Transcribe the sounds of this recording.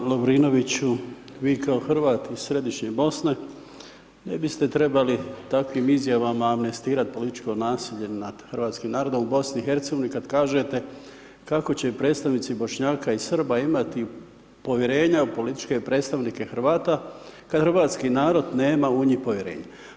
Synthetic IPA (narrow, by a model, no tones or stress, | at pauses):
lobɾino̞ʋit͡ɕu | ʋiːkao̞xr̩ʋaːt̪isɾe̞d̪iʃɲebo̞sne̞ | ne̞bist̪e̞t̪ɾe̞balit̪akʋimizjaʋamaːmnest̪iːɾat̪̚po̞lit̪it͡ʃko̞naːsiʎe̞nad̪̥xrɾʋaːt̪skimnaːɾo̞d̪o̞mubo̞sniixe̞ɾt̪seɡoʋinikad̪kaːʒe̞t̪e̞ | kako̞t͡ɕe̞pɾeːt̪st̪aʋnit̪sibo̞ʃɲaːkaisr̩baimat̪i | po̞ʋjeɾe̞ːɲaupo̞lit̪i̥t͡ʃke̞pɾe̞ːt̪st̪aʋnike̞xrʋaːt̪akad̪xɾʋaːt̪skinaːɾo̞d̪ne̞ːmauɲipo̞ʋjeɾḛːɲa